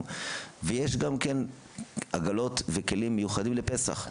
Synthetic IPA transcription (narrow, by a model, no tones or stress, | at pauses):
mvejeʃɡamken | ʔaɡalo̞t̪veke̞limːejuχad̪imlepe̞sa̰χ